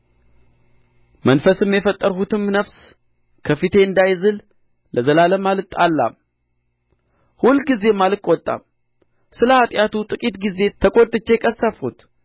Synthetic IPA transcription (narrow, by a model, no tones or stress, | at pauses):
mənfəsɨmjɛfət̪ʼːəɾhut̪ʰɨmnəfs | kʰəfɨt̪ʰe̞ɨnd̪ajzɨl | ləzəlaləmalɨt̪ʼːalːa̰m | hulɡize̞malɨkʼwɔt̪ʼːa̰m | sɨləhat̪ʼjat̪ut̪ʼɨkʼit̪ɡize̞t̪ʰəkʼot̪ʼːɨt͡ʃːe̞kʼəsːəfut̪